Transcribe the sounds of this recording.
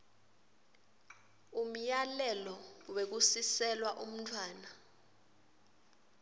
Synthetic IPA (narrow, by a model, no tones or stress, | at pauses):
um̩jalɛlɔwek̬usisɛlwaʔum̩tʰwaːna